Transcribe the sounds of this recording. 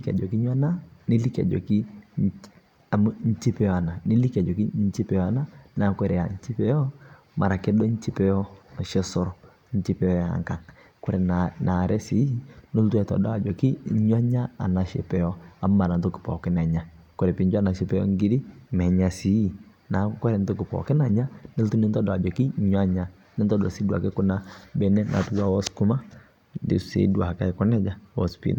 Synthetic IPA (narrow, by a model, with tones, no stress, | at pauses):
i˦ka̰˨d͡ʒɔ˨ki˦ɲa˦na˦nɪ˦li˦ka̰˨d͡ʒɔ̰˨ki˦ | a˨m˦ɲ̩˦t͡ʃɪ˦pɛ˦ɔ˦a˨na˨nɪ˦li˦ka˨d͡ʒɔ˨ki˦ɲ˦t͡ʃɪ˦pɛ˦jɔ˦a˨na˦na˨kɛ˦ɾɛ˨a̰˨ɲ˦t͡ʃi˦pɛ˦jɔ˦ | mʔa̰˨ɾa˨kɛ˦dɔ˦ɲ̩˦t͡ʃɪ˦pɛ˦jɔ˦˨ʃɛ˦sɔ˦ɾɔ˨ | ɲ̩˦t͡ʃi˦pɛ˦jɔ˦ja̰˨ŋka˨ŋ | kɔ˦ɾɛ˨nʔa˨ɾʔɛ˦si˨˦no˦twɛ˨ta̰˨dɔ˦a˨d͡ʒɔ˨kɪ˦ɲwa˦ɲa˦a̰˨na˨ʃɛ̰˨pɛ˨jɔ˦a˨˦ma˨na˨n˦tɔ˦kɪ̥˨pɔ̰˨kɪ˦na˨ɲa˨ | kɔ˨ɾɛ˨pi˨˦ɲd͡ʒa˦˨na˨ʃɪ˦pɛ˦jɔ̰˦ŋ˦ɡi˦di˦mɛ˨ɲa˨si˨˦i˨ | na˨˦kɔ˦ɾɛ˨n˦tɔ˦kɪ˨pɔ̰˨kɪ˦na˨ɲa˦ni˦ltu˦nɪ˦ntɔ˦dɔ˨a˨d͡ʒɔ˨ki˦ɲwa˦ɲa˦ | nɪ˦ntɔ˦dɔ̰˨si˦dwa̰˨kɛ˦kʊ˦na˦bɛ˦nɛ˦nʔa̰˨tu˦ɡa˦wɔ˦sku˦ma˦ | dɪ̰˨sḛ˨˦du˨a˨ka˦i˨kɔ˦nɛ˦d͡ʒa˦wɔ̰˦spḭ˦na˨